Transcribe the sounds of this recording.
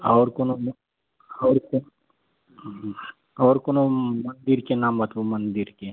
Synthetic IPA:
ɔːɾkonom | ɔːɾko | ɔːɾkonomɐ̃nd̪ɪɾkenaːmbət̪bomə̃nd̪ɪɾke

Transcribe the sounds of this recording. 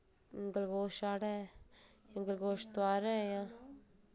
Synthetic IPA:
ɡəlɡoːʃaːɽɛ | jãːɡəlɡoːʃt̪ʊaːɾɛjãː

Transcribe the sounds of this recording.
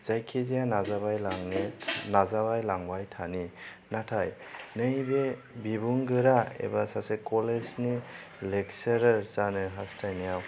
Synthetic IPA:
z̥ajkʰizijanazabajlaŋnenazaβajlaŋbajtʰani | natʰaj | nɯjbe | bibuŋɡɯɾaḛbasasekɔlesni | lekseɾaɾzanɯɦastʰajnijaw

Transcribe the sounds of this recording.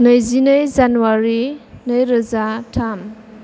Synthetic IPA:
nəjzinəjzanuwaɾinəjɾɐzatʰam

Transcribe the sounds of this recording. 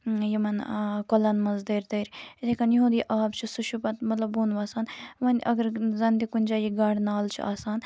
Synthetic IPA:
jimɐnkolɐnmɐnzd̪eːɾt̪eːɾʲt̪ekɐnjɦũːd̪iʔaːbt͡ʃʰisuʃupɐt̪mɐt̪lɐbuːnʋaːsaːnʋɐnʔɐ̰ɡɐɾzɐnd̪ikunʲd͡ʒaːjiɡaːɽnaːlt͡ʃʰḭa̰ːsaːn

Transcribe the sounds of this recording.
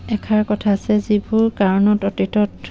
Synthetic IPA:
ɛkʰaɹkɔtʰaːsɛzibuɹkaɹɔnɔtɔtitɔt

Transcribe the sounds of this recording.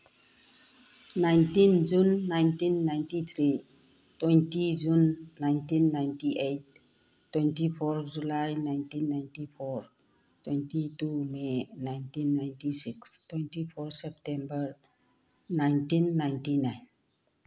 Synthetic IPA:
najntĩnd͡ʒũnːajntinːajntit̪ʰɾi | twẽntid͡ʒunːajntĩnːaɪntiʔet̚ː | wɛ̃ntifʰɔɾd͡ʒulajnaɪntĩnːajntifʰɔɾ | twɛ̃ntitumenajntĩnːajntisikstwẽntifɔɾsɛp̚tẽmbəɾ | najntĩnːaɪntinaɪn

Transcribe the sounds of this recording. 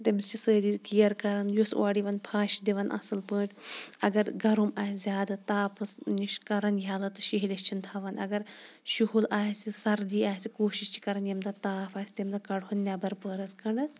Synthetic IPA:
t̪imst͡ʃʰisəːlikijɐɾkɐɾɐnjusʔaːɽiʋɐnpʰaːʃid̪iʋɐnʔɐ̰sɨlpəːʈʲɐɡɐɾɡɐɾumaːsʲzʲjaːd̪at̪aːpɐsniʃkɐɾɐnjaːlɐt̪ɨ̥ʃiɦilʲist͡ʃʰint̪ʰaʋɐnɐ̰ɡɐɾʃuɦulaːjsʲisɐɾd̪iaːsikoːʃiʃt͡ʃʰi̥kɐɾɐnjɐmd̪at̪aːfaːsʲi̥t̪imd̪akɐɽɦunnʲabɐɾpəːɾɐskɐɳɖɐs

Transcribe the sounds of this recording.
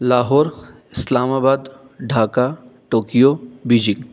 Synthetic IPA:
laːɦɔːɾ | ɪslaːmaːbaːd̪ | ɖʱaːkaʈoːkijobiːd͡ʒiŋ

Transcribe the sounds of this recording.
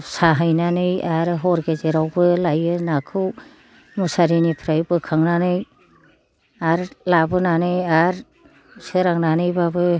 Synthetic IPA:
saɦɯjnanɯjaɾɦɔɾɡezeɾawbɯlajɯnakʰɯw | musaɾinipʰɾajbɯkʰaŋnanɯj | aɾlabɯnanɯjaɾ | sɯɾaŋnanɯjbabɯ

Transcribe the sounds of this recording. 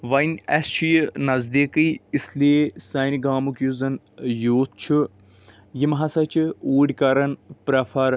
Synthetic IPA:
ʋɐjnʲɐst͡ʃʰijnɐzd̪iːkɨisliesɐniɡaːmukjuzɐn | joːt̪̚t͡ʃʰu | jimɦɐsɐt͡ʃʰiuːɽʲkɐɾɐnpɾɐfʰɐɾ

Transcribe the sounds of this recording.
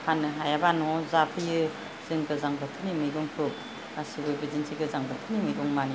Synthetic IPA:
hʰanɯɦajabanɔzapʰɯjɯ | z̥ɯŋɡɯzaŋbɯt̪ʰɯnimɯjɡɔŋpʰɯk̚ | asibɯjbɯzinsʰiɡɯzaŋbɯt̪ʰɯnimɯjɡɔŋmani

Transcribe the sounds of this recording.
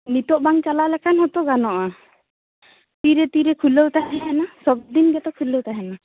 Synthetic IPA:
nit̪ɔʔbaŋt͡ʃalalɛkʰanɦɔt̪ɔɡanɔʔa | t̪iɾet̪iɾekʰuləwt̪aɦɛɦɛnasɔb̚d̪inɡɛt̪ɔkʰuləwt̪aɦɛna

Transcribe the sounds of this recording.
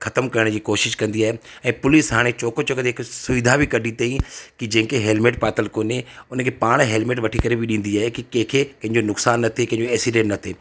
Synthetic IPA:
xɐt̪əmkɐɾəɽ̃d͡ʑiːkoːʃɪʃkɐ̃nd̪iaːɦeɛ̃ːpʊlɪsɦaːɽ̃et͡ɕoːkot͡ɕoːkt̪ɦɪksʊʋɪd̪ʱabʱɪkɐɖʱit̪ɐĩkid͡ʑɐ̃ɦɪ̃keɦeːlmeːʈ̚paːt̪əlkoːneʊnəkʰepaːɽ̃ɦeːlmeːʈʋɐʈʰikɐɾebʱɪɗĩːnd̪iaːɦekikẽɦkʰekɐ̃ɦɪ̃ɲd͡ʑonʊksaːnːɐt̪ʰekɐ̃ɪ̃ɲd͡ʑoɛːsiɖẽːʈnɐt̪ʰeː

